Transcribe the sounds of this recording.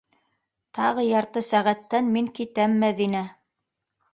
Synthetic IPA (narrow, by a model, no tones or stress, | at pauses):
t̪ɑʁɤjɑɾt̪ɤsæʁæt̪ːænmiŋkit̪æmːæðinæ